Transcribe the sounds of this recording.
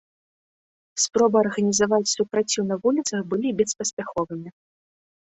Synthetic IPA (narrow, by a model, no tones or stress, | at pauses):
spɾɔbɨɐrɣɐnʲizavat͡sʲsupɾat͡sʲiwnɐvulʲit̪sɐxbɨlʲibʲɛspɐsʲpʲaxɔvɨmʲi